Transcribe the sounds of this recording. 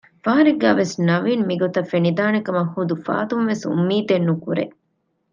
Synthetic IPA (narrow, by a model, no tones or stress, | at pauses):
faɦɐɾeɡæːʋesnɐʋiːnmiɡot̪ɐfenid̪aːnekɐmɐhːud̪ufa̰ːt̪umʋesṵmːiːt̪enːukuɾḛ